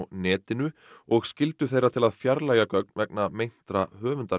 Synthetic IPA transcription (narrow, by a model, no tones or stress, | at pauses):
wnɛːt̪ɪnʏ | ɔɣscɪlt̪ʏθejrɾat̪ʰɪlaðfjaɾlaːjɣakœk̚nvɛknamejn̥t̪ɾahœːvʏnt̪a